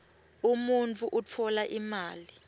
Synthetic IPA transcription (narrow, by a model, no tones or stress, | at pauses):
umunt͡fʰʼuʔut͡fʰɔlaʔimaːli